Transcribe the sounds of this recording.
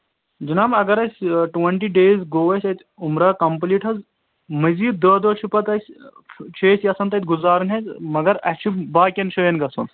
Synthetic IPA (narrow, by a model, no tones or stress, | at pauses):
d͡ʒinaːmɐɡɐɾɐsʲʈʋɐɳʈiɖeːzɡoːɐsʲɐt̪ʲʰ | umɾaːkɐmpliːʈɦɐz | mɐziːt̪̚d̪ɐːd̪ot͡ʃʰupɐt̪ɐsʲt͡ʃʰeːsjɐsɐnt̪ɐt̪ʲɡuzaːɾnɦezmɐɡɐɾɐ̰t͡ʃʰubaːkʲɐnʃoːjɐnɡɐso̰n